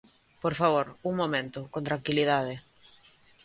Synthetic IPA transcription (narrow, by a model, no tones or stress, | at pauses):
poɾfaβoɾuŋmomẽnt̪ʊkõnt̪ɾaŋkiliðaðe